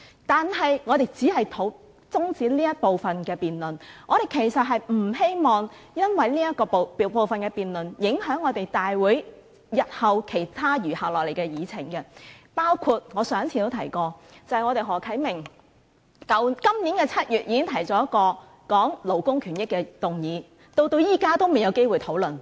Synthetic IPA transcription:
t̪aː˨nɦɐ˨jŋɔː˨˧ɾe˨jt͡siː˨˥hɐ˨jt̪ʰo˨˥ | t͡sʊ˥ŋt͡siː˨˥liː˥jɐ˥t̚po˨wfɐ˨nkɛː˧piː˨nlɵ˨nŋɔː˨˧ɾe˨jkʰe˨˩jsɐ˨t̚ɦɐ˨jm̩˨˩ɦe˥jmɔː˨˩ŋjɐ˥nwɐ˨jliː˥jɐ˥t̚kɔː˧ppo˨wfɐ˨nkɛː˧piː˨nlɵ˨njɪ˨˥ŋɦœː˨˥ŋːɔː˨˧t̪e˨jt̪aː˨jwuː˨˥j | jɐ˨t̚hɐ˨wkʰe˨˩jt̪ʰaː˥jyː˨˩haː˨w̚lɔː˨k̚le˨˩jkɛ˧jiː˨˧t͡sʰɪ˨˩ŋkɐ˧paː˥wkʰu˧t̚ŋɔː˨˧sœː˨˥ŋt͡sʰiː˨˩t̪o˥wt̪ʰɐ˨˩jkɔː˧t͡sɐ˨hɐ˨jŋɔː˨˧ɾe˨jɦɔː˨˩kʰɐ˨˥jmɪ˨˩ŋ | kɐ˨˥wkɐ˥mniː˨˥nkɛː˧t͡sʰɐ˥t̚jyː˨t̚jiː˨˧kɪ˥ŋt̪ʰɐ˨˩jt͡sɔː˨˧jɐ˥tkɔː˧ | kɔː˨˥ŋlo˨˩wkʊ˥ŋkʰyː˨˩njɪ˥kːɛː˧t̪ʊ˨ŋjiː˨˧ | t̪o˧wt̪o˧wjiː˥kaː˥t̪o˥wme˨˩jɐ˨˧wke˥jwuː˨˩jt̪ʰo˨˥wlɵ˨n

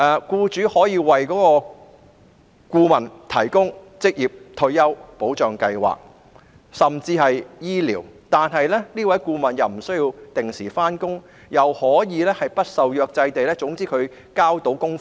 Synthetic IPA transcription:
ʔɛː˨˧kuː˧t͡ʃyː˨˥hɔː˨˥jiː˨˧wɐ˨jkɔː˨˥kɔː˧ | kuː˧mɐ˨˩nt̪ʰɐ˨˩jkʊ˥ŋt͡sɪ˥k̚jiː˨p̚t̪ʰɵ˧ɥjɐ˥wpo˨˥wt͡ʃœː˨ŋkɐ˧jwa̰ː˨k̚ | sɐ˨mt͡siː˧hɐ˨jjiː˥lḭː˨˩wt̪aː˨nɦɐ˨jlɛː˥niː˥wɐ˨˥jkuː˧mɐ˨˩njɐ˨˩wm̩˨˩sɵ˥ɥjiː˧wt̪ɪ˨ŋsiː˨˩faː˥nkʊ˥ŋ | jɐ˨whɔː˨˥jiː˨˧lɛː˥hɐ˨jpɐ˥t̚sɐ˨wjœː˧k̚t͡sɐ˧jt̪e˨jlɛː˥t͡sʊ˨˥ŋt͡siː˥kʰɵ˨˧ɥ | kaː˥wt̪o˨˧˥wkʊ˥ŋf

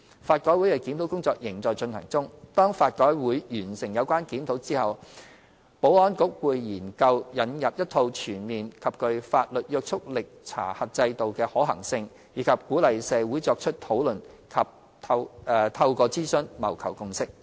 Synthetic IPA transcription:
faː˧t̚kɔː˨˥jwu˨˥jkɛ˨˧ki˨˥nt̪ʰwkʊ˥ŋt͡sɔː˧k̚jɪ˨˩ŋt͡sɔː˨jt͡sɵ˧nhʰɐ̰˨˩ŋt͡sʊ˥ŋt̪ɔː˥ŋfaː˧t̚kɔː˨˥jwuː˨˥jjyː˨˩nsɪ˨˩ŋjɐ˨˧wkʷaː˥nkiː˨˥mt̪ʰo˨˧˥wt͡siː˥hɐ˨w | po˨˥wɔː˥nkʊ˨˥k̚wuː˨˧jjiː˨˩nkɐ˧wjɐ˨˥njɐ˨p̚jɐ˥t̪ʰo˧wt͡ʃʰyː˨˩nmiː˨nkʰɐ˨p̚kɵ˧ɥfaː˧t̚lɵ˨t̚jœː˧k̚t͡ʃʰʊ˥k̚lɪ˨k̚t͡sʰa̰ː˨˩hɐ˨t̚t͡sɐ˧jt̪o˨wkɛː˧hɔː˨˥ɦɐ̰˨˩ŋsɪ˧ŋ | jiː˨˥kʰɐ˨p̚kuː˨˥lɐ˨jsɛː˨˧wuː˨˥jt͡sɔː˧k̚t͡ʃʰɵ˥t̚t̪ʰo˨˥wlɵ˨˩n | kʰɐ˨p̚ | t̪ʰɐ˧wːt̪ʰɐ˧wkɔː˧t͡siː˥sɵ˥nmɐ̰˨˩wkʰɐ˨˩wkʊ˧ŋsɪ˥k̚

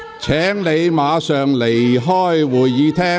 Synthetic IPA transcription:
t͡sʰɛː˨˥ŋle˨˧jmaː˨˧sœː˨ŋle˨˩jɦɔː˥˩jwuː˨˩jːiː˨˧t̪ʰɛː˥

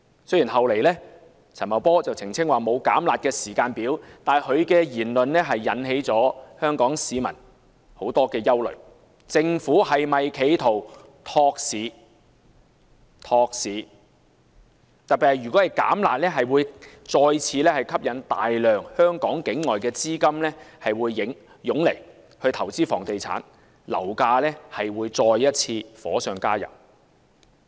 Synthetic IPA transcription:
sɵ˥jiː˨˩nɦɐ˨wle˨jlɛː˥ | t͡sʰɐ˨˩mɐ˨˩wpɔː˥t͡sɐ˨wt͡sʰɪ˨˩ŋt͡sʰɪ˥ŋwaː˨mo˨˧wka̰ː˨˥mlaː˨˩t̚kɛː˧siː˨˩kaː˧npiː˨˥wt̪aː˨˩nhɵ˨˧ɥkɛː˧jiː˨˩nlɵ˨nlɛ˥ɦɐ˨jːɐ̰˨˥nɦe˨˥jt͡sɔː˨˥hœː˥ŋkɔː˨˥ŋsiː˨˧mɐ̰˨˩n | ho˨˥wt̪ɔː˥kɛː˧jɐ˥wlɵ̰˨ɥ | t͡sɪ˧ŋfuː˨˥hɐ˨jmɐ˨jkʰe˨˧jt̪ʰo˨˩w | t̪ʰɔː˧k̚siː˨˥ | t̪ʰɔː˧k̚siː˨˥ | t̪ɐ˨t̚pːiː˨hɐ˨˩jɥy˨kɔ˨˥hɐ˨jka̰ː˨˥mla̰ː˨t̚lɛː˥ɦɐ˨jwuː˨˧j | t͡sɔː˧jt͡sʰiː˧lɛː˥hɐ˨jkʰɐ˥p̚jɐ˨˧˥nt̪a̰ː˨jlœː˨ŋhœː˥ŋkɔː˨˥ŋkɪ˨˥ŋːɔː˨jkɛː˧t͡siː˥kɐ˥mlɛː˥hɐ˨jwuː˨˧jːɪ˨˥ŋ | jʊ˨˥ŋle˨˩j | hɵ˧ɥt̪ʰɐ˨˩wt͡siː˥fɔː˨˩ŋt̪e˨jt͡sʰa̰ː˨˥n | lɐ̰˨˩wkaː˧lɛː˥hɐ˨jwuː˨˧jt͡sɔː˧jːɐ˥t̚t͡sʰiː˧fɔ̰ː˨˥sœː˨˧ŋkaː˥jɐ̰˨˩w

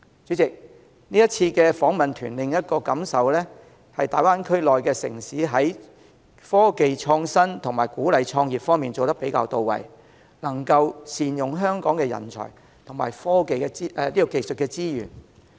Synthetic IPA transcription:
t͡ʃyː˨˥t͡sɪ˨k̚ | niː˥jɐ˥t̚t͡sʰiː˧kɛː˧fɔː˨˥ŋmɐ˨nt̪ʰyː˨˩nlɪ˨ŋjɐ˥t̚kɔː˧kɐ˨˥msɐ˨wlɛː˥ | hɐ˨jt̪aː˨jwaː˥nkʰɵ˥ɥlɔː˨jkɛː˧sɪ̰˨˩ŋsiː˨˥ɦɐ˨˥j | fɔː˥ke˨jt͡ʃʰɔː˧ŋsɐ˥nt̪ʰʊ˨˩ŋmaː˨˩jkuː˨˥lɐ˨jt͡ʃʰɔː˧ŋjiː˨˩p̚fɔː˥ŋmiː˨nt͡so˨wt̪ɐ˥pe˨˥jkaː˧wt̪o˨wːɐ̰˨˩j | lɐ˨˩ŋkɐ˧wsiː˨njʊ˨˩ŋɦœː˥ŋkɔː˨˥ŋkɛː˧jɐ̰˨˩nt͡ʃʰɔ̰ː˨˩j | t̪ʰŋma̰ː˨jfɔː˥ke˨jkɛ˧i˥ʔliː˥kɔ˧ke˨˧jsɵ˨t̚kɛː˧t͡siː˥jyː˨˩n

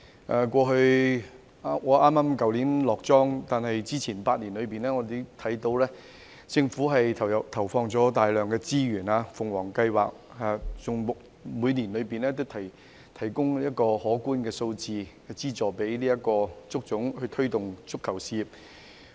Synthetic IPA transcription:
ʔɛː˨kʷɔː˧ɦɵ˧ɥ | ŋɔː˨˧ʔaː˥mːaː˥mkɐ˨˧wliː˨˥nlɔː˨k̚t͡sɔː˥ŋt̪aː˨nhɐ˨jt͡siː˥t͡sʰiː˨˩npaː˧t̚niː˨˩nlɵ˨˧ɥpiː˨˩nɛː˥ŋɔː˨˧d̪e˨˧t̪ʰɐ˨˥jt̪o˧wlɛː˥ | t͡sɪ˧ŋfuː˨˥ɦɐ˨jʰt̪ʰɐ˨˩wfɔː˧ŋt͡sɔː˨˥t̪aː˨jlœː˨ŋkɛː˧t͡siː˥jyː˨˩naː˧fʊ˨ŋwɔː˨˩ŋkɐ˧jwa̰ː˨k̚a˨˩t͡sʊ˨ŋmʊ˨k̚ | muː˨˧jniː˨˩nlɵ˨˧piː˨nlɛː˥t̪o˥wt̪ʰɐ˨˩j | t̪ʰɐ˨˩jkʊ˥ŋliː˥ɐ˥t̚kɔː˧hɔː˨˥kuː˥nkɛː˧so˧wt͡siː˨˧˨ | t͡siː˥t͡sɔː˨˩pe˨˥jliː˥jɐ˥kɔː˧t͡sʊ˥k̚t͡sʊ˨˥ŋhɵ˧t̪ʰɵ˥ɥt̪ʊ˨ŋt͡sʰʊ˥kʰːɐ˨˩wsi˧p̚

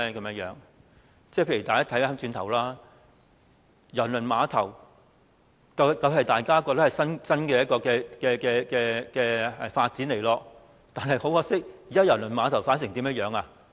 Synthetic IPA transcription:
kɐ˨˦mjɐ˥jœː˨˥ŋ | t͡sɛː˥˩pʰe˧jy˨˩t̪aː˨kaː˥t̪ʰjaː˥a˥t͡ʃyː˧nt̪ʰɐ˨˩wlaː˥ | jɐ˨˩nlɵ˨˩nmaː˨˧t̪ʰɐ˨˩w | kɐ˧wkɐ˧wɦɐ˨jt̪aː˨jkaː˥k̬ɔː˧t̪ɐ˥hɐ˨jsɐ˥nsɐ˥nkɛː˧jɐ˥t̚kɔː˧kɛː˧kɛː˧kɛː˧kɛː˧kɛː˧ɛ˨faː˧t̚t͡siː˨˥nle˨˩jlɔː˧ | t̪aː˨nɦɐ˨jho˨˥whɔː˧˥sɪ˥k̚iː˨kaː˥jɐ˨˩lɵ˨˩nmaː˨˧t̪ʰɐ˨˩wfaː˨˥ns̬ɪ˨˩ŋt̪iː˨˥mjɐ˥jœː˨˥ŋaː˧

